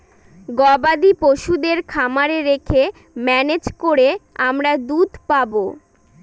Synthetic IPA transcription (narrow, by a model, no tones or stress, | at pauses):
ɡɔbad̪ipoʃud̪eɾkʰamaɾeɾekʰe | mɛned͡ʑkoɾeamɾad̪ud̪ʱpabo